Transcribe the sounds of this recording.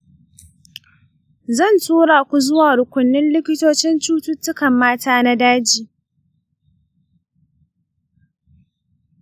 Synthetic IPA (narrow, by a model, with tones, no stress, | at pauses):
zɐ˦˨ntuː˦ɽaː˨kʷu˨zʊ˦waː˨ɾʊ˨kʷʊ˨nːɪ˦nlɪ˦kʲɪ˦toː˦t͡ʃɪ˦nt͡ʃuː˦tʊ˦tːʊ˦kɐ˨mːaː˦taː˦na˦daː˦d͡ʒiː˨